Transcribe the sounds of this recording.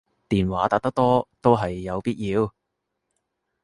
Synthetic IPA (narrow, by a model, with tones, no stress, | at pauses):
t̪iː˨nwaː˨˥t̪aː˨˧k̚t̪ɐ˥k̚t̪ɔː˥t̪o˥wɦɐ˨jːɐ˨˧wpiː˥t̚jiː˨˧w